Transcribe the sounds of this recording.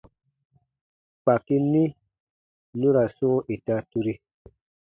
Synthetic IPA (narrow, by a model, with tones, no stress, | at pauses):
k͡pa˨ki˦nĩ˦ | nũ˦ɾa˨sũ˦ʔe˨ta˧tu˦ɾi˦